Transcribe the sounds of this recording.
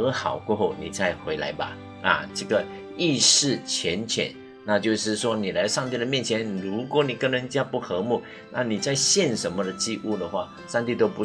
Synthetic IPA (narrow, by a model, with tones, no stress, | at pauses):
ɤ˧˥xɑ˨˩ʊkwɔ˥˧xo˥˩ʊni˨˩t͡sa˥˩ɪxwe˧˥ɪla̰˧˥ɪbɐ̰˧ | a̰˨˩ʈ͡ʂə˥˩ɡə˩ | i˥˧ʂɻ̩˥˩t͡ɕʰjɛ˧˥nt͡ɕʰjɛ̰˨˩˦n | na˥˧t͡ɕjo˥˧ʊʂɻ̩˥˧ʂwɔ˥ni˨˩la˧˥ɪʂɑ˥˧ŋt̪i˥˩d̪ə˩mjɛ˥˩nt͡ɕʰjɛ˧˦nɻu˧˥kwɔ˨˥˦ni˨˩kə˥ŋnə˧˦nt͡ɕja˥pu˥˩xɤ˧˥mu˥˩ | na̰˥˩ni˨˩t͡sa˥˧ɪɕjɛ˥˩nʂə˧˥nmə˧˨d̪ə˨t͡ɕi˥ʔu˥˩d̪ə˩xwa˥˩ | ʂɑ˥˧ŋt̪i˥˧t̪o˥ʊpu˧˦